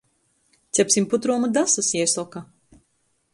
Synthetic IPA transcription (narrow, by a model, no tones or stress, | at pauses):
t̪sʲɛpʲsʲimput̪ɾuːmad̪asasjɛsɔka